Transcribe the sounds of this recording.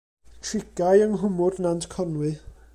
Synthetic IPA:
kʰrɪɡ̥ajəŋɦʊmʊrnantʰkʰɔnwɨ

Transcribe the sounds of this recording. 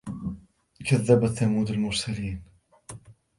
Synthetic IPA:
kaðːabaθamuːd̪almʊɾˤsaliːn

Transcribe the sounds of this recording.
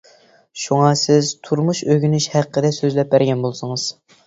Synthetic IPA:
ʃuŋɑsɪzt̪ʰuɾmuʃøɡʲynyʃhæqʰːəd̪ɛsøzlɛp̚bæɾɡʲɛnbolˠsɨŋɨz̥

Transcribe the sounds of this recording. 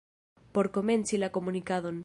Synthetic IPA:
poɾkomẽnsilakomunikaðon

